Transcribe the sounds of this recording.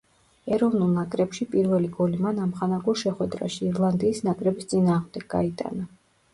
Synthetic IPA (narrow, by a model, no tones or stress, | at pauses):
ɛɾɔvnulˠnakʼɾɛpʃipʼiɾvɛliɡɔlimanamχanaɡulˠʃɛχwɛd̪ɾa̰ʃiːɾlˠand̪iːsnakʼɾɛbist̪sʼinaːʁmd̪ɛɡɡa̰it̪ʼa̰na